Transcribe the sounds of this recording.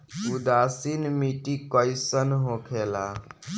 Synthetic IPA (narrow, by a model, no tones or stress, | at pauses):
ud̪asinmiʈikəjsənɦokʰela